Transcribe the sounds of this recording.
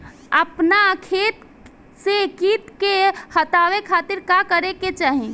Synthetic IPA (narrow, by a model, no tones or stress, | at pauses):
əpnakʰet̪ | sekit̪kehət̪awekʰat̪iɾkakəɾeket͡ʃaːɦĩ